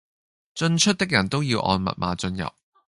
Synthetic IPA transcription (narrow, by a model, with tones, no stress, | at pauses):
t͡sɵ˧nt͡ʃʰɵ˥t̚t̪ɪ˥k̚jɐ˨˩nt̪o˥wjiː˧wʔɔ̰ː˧nmɐ̰˨t̚maː˨˧t͡sɵ˧njɐ̰˨p̚